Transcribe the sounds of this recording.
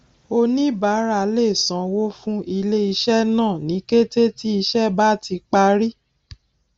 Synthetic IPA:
o˧nĩ˦ba˨˦ɾa˧˨le˦˨sã˨˦wo˦fũ˦i˧le˦i˧ʃɛ˦nãː˦˨nĩ˨˦ke˦te˦ti˦i˧ʃɛ˦ba˦ti˧k͡pa˧ɾi˦

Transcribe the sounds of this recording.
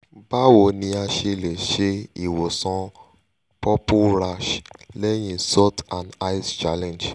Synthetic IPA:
ba˦wo˨nĩ˧a˧ʃe˧le˨ʃe˧i˨wo˨sɔ̃˧ | pɔ˦pu˦ɾa˧ʃlɛ˦j̃ĩ˦sɔ˦tã˨na˦i˦st͡ʃa˦lɛ̃˨nd͡ʒ

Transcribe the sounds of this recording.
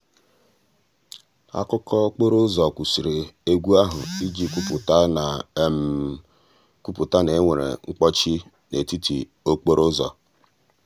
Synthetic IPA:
a̰˦kʊ˦kʰɔ˦k͡po˦ɾo˦zɔ˨kʷu˨si˨ɾe˨e˦ɡʷu˦a˦ɦʊ̰˨i˦d͡ʒi˦kʷu˦pʊ˨ta˦na˨˦m˦ | ku˦pu˨ta˦ne˨e˦ŋʷe˨ɾḛ˨ŋ͡m̩˦k͡pɔ˦t͡ʃi˦ | ne˨ti˦tḭ˨ | o˦k͡po˦ɾo˦zɔ̰˨

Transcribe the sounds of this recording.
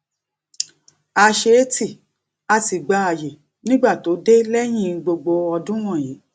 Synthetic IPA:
a˧ʃe˧˦ti˦˨ | a˧˨ti˨ɡ͡ba˨˧˦a˨je˨ | nĩ˦ɡ͡ba˦˨to˨˦de˦lɛ˦j̃ĩ˦˨˧ɡ͡bo˧ɡ͡bo˧ɔ˧dũ˦w̃ɔ̃˦˨jeː˨˦

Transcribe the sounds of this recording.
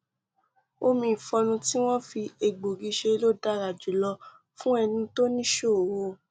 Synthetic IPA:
o˦mĩ˧˦˨fɔ˧nũ˧ti˦w̃ɔ̃˦fi˧e˨ɡ͡bo˨ɡi˨˧ʃe˧˦lo˦˨da˦ɾa˨d͡ʒu˨lɔ˧ | fũ˦ɛ˧nĩ˧to˦nĩ˦ʃo˦˨wo˧˨

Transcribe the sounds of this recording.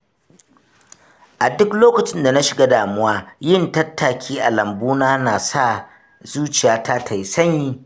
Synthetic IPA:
ʔa˨dʊ˦kloː˦kɐ˨t͡ʃɪ˦nda˨na˦ʃɪ˨ɡaː˦daː˨mʊ˦waː˦jɪ˦ntɐ˦tːa˨kʲʰiː˦ʔa˨lɐ˨mbuː˦naː˦naː˨sa˦˨ | zuː˦t͡ʃɪ˨jaː˨tʰa˦tʰa˨jsɐ˦ɲji˦

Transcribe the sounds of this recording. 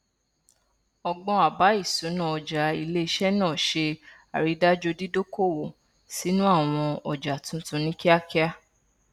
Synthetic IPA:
ɔ˧ɡ͡bɔ̃˧a˨ba˨˦i˦˨sũ˨˦nã˦˨ɔ˨d͡ʒa˨i˧le˦i˧ʃɛ˦nãː˦˨ʃe˧a̰˨ɾi˨˧˦da˦d͡ʒo˧di˦do˦ko˦˨wo˨ | si˦nũ˦a˦˨w̃ɔ̃˧ɔ˨d͡ʒa˨tũ˨˦tũ˧˦nĩ˦ki˦a˦ki˦a˦

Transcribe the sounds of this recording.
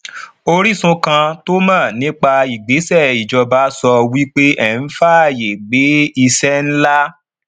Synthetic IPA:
o˧ɾi˦sũ˧kã˧to˦mãː˦˨nĩ˦k͡pa˧i˨ɡ͡be˨˦sɛ˦˨i˨d͡ʒɔ˧ba˨˦sɔ˧wi˦k͡pe˦ʔɛ˦˨n̩˦fa˦˨je˨ɡ͡be˨˦i˧sɛ˦n̩˦la˦

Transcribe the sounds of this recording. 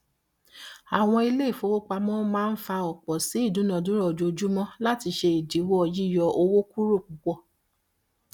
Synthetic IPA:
a˨w̃ɔ̃˧i˧le˦i˦˨fo˧˦wo˦k͡pa˧mɔ̃˦mãː˦˧n̩˦fa˧ɔ˨k͡pɔ˨si˨˦i˦˨dũ˨˦nɔ̃˨dũ˦ɾɔ˦˨d͡ʒo˧o˧d͡ʒu˦mɔ̃˦la˦ti˧ʃe˧i˨di˨˦wo˦ɔ˧ji˦jɔ˧o˧wo˦ku˦ɾo˦˨k͡pu˨˦k͡pɔ˦˨

